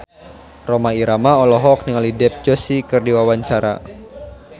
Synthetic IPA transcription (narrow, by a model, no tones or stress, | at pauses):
romaiɾamaɔlɔɦɔk̚niŋalidɛp̚d͡ʒosikɨrdiwawaɲt͡ʃaɾa̰